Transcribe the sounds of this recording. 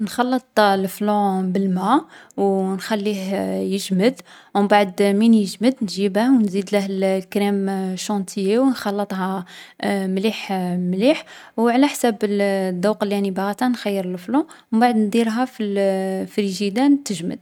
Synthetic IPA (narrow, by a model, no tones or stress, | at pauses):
nxɑlːət̪ˤlflõbəlmæwnxælːihjəʒməd̪ | wmbaʕəd̪minjəʒməd̪nʒibæwnzid̪læhlkɾimʃɑ̃nt̪ʰjewnxɑlːət̪ˤɦɑ | mliħmliħwʕlæħsæbəd̪ɑwqəlænibaɣæt̪ænxæjːəɾəlflõ | mbaʕd̪nd̪ˤiɾɦæfilfɾiʒid̪ænt̪əʒmə̰d̪̚